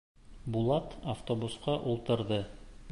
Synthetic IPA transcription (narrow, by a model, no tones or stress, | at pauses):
bulˠɑt̪aft̪obusqɑʔulˠt̪ɤ̆ɾðɤ